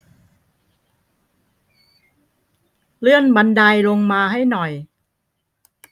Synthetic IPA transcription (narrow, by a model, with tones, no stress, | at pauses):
lɯ˥˩ənba˧ndaː˧jlo˧ŋmaː˧ɦa˥˩jnɔ˨˩j